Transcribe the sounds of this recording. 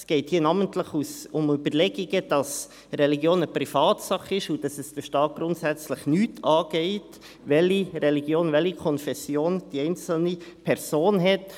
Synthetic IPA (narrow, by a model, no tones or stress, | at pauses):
sɡ̥ɛɪthiːənɑːməntləχusʊmybəɾlɛɡiɡəd̥ɑs | ɾɛliɡjoːnəpɾifɑːtsɑχɪʃud̥ɑsɛsd̥əʃtɑːt̚ɡ̥ɾʊntsæt͡sləχnyːtʰɑːɡ̥ɛɪt | ʋɛlirɛliɡjoːnvɛlikʰɔnfɛsjoːnd̥iɛɪnt͡sl̩nipʰɛɾsoːnɦɛt